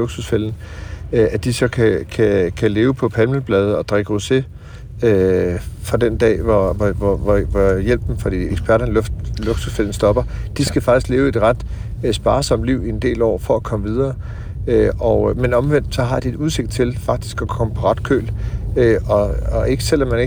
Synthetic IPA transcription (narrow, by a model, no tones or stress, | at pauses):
oɡ̥susfel̰n̩ | æd̥isɒ̽kʰækʰækʰæle̝ːʊpʰɒ̽pʰænməl̩b̥lɛːð̞ˠɒ̽d̥ʁeɡ̥əʁose̝ | øfɒd̥end̥ɛ̰ːʋɒʋɒʋɒʋɒʋɒjel̰b̥n̩fɒd̥ḭːeɡ̥sb̥ʰæɐɾɐnloɡ̥susfel̰n̩sd̥ɒ̽b̥ɐd̥isɡ̥æfɑ̈ɡ̥isɡ̥le̝ːʊe̝d̥ʁad̥ | sb̥ɑ̈ːsɒ̽m̰d̥liʊie̝nd̥e̝̰ːlɒ̰ːfɒ̽ækʰɒ̽məʋið̞ˠɐː | øɒʊmenɒ̽mʋen̰d̥sɒ̽ɦɑ̈d̥ie̝d̥uðˠse̝ɡ̥̚d̥̚t͡sʰe̝lfɑ̈ɡ̥̚d̥i̥sɡ̥ɒ̽kʰɒ̽məpʰɒ̽ʁad̥̚kʰø̰ːløɒ̽ɒe̝ɡ̥əsel̰ɒmːæne